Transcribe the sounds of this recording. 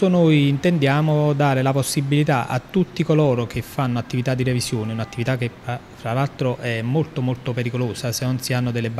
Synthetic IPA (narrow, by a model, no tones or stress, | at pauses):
onojint̪end̪jaːmod̪aːɾelaposːibːilit̪aʔa̰t̪ːut̪ːikoloːɾok̟efːanːoat̪ːivit̪ad̪ːirevisjoːneunat̪ːivit̪akːepɾa | tːɾalalt̪ɾoʔɛmːolt̪omolt̪opeɾikoloːsasenːonsianːod̪elːeb